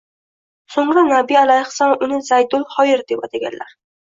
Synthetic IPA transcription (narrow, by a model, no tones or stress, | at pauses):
soŋɾanabialajχsanʊnɪzajd̪ʊlˠhɒjɪɾd̪epat̪ʰaɡʲa̰nlʔa̰ɾ